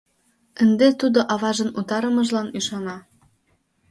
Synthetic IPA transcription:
ə̆nd̪et̪ud̪oʔɑβɑʒə̆nut̪ɑɾəməʒlɑnyʃɑnɑ

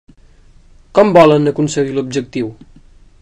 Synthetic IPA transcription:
kɔmbɔlənəkunsəɣilub̚d͡ʒək̚t̪iw

